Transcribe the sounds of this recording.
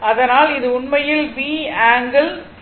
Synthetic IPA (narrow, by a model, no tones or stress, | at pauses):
ɐðɐnaːlɪðɯʊɳmɐjɪlʋiːaːŋɡɐl